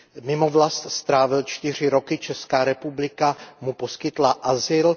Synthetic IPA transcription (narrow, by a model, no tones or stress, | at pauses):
mɪmo̞vlast̪st̪ɾaːvɪlt͡ʃt̪ɪr̝ɪɾo̞kɪt͡ʃɛskaːɾɛpublɪkamupo̞skɪt̪laʔazɪl